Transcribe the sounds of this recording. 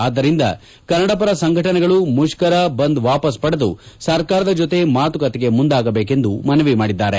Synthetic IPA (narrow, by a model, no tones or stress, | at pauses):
aːd̪ːɐɾind̪ɐ̰ | kɐɾnɐɽɐp̬ɐɾɐsɐŋɡʱɐʈɐnɛɡɐɭumuʃkɐɾɐbɐnd̪ʋaːpɐspɐɽɐd̪ṵsɐɾkaːɾɐd̪ɐd͡ʒot̪e̞maːt̪ukɐt̪eɡe̞mund̪aːɡɐbeːke̞nd̪umɐnɐʋimaːɽid̪ːaːɾe̞